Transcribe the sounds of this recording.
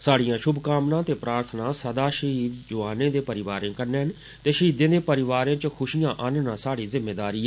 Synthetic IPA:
saːɽijãːʃʊbkaːmnãːt̪eːpɾaːɾt̪ʰnãːsəd̪aːʃəɦiːd̪d͡ʒʊʋaːnẽːd̪eːpəɾɪʋaːɾẽːkəɾneːɦən | t̪eːʃəiːd̪ẽːd̪eːpəɾɪʋaːɾẽːt͡ʃkʰʊʃijãːʔənnãːsaːɽiːzɪmːeːd̪aːɾiːɛ

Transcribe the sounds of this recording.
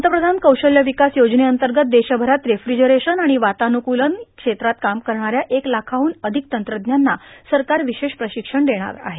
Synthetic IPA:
mət̪əpɾəd̪ʱankəwɕəljəʋikasjod͡ʑneənt̪əɾɡət̪̚d̪eɕabʱəɾat̪ɾefɾid͡ʑəɾeɕənaɽ̃iʋat̪anukulənkʂet̪ɾat̪̚kamkəɾɳaɾjaʔeklakʰaʋuːnəd̪ʱik̚t̪ənt̪ɾəd̪njanːasəɾkaɾʋiɕeʂpɾəɕikʂəɳd̪eɽ̃a̰ɾa̰ɦe

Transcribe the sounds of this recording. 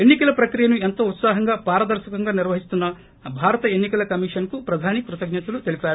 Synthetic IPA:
e̞nːikɐlɐpɾɐkɾijɐnue̞nt̪oːut̪saːɦɐŋɡaːpaːɾɐd̪ɐɾʃɐkɐŋɡaːniɾʋɐɦist̪unːɐ | bʱaːɾɐt̪ɐenːikɐlɐkɐmiʂɐnkupɾɐd̪ʱaːnikɾut̪ɐɡɲɐt̪ulut̪elipaːɾu

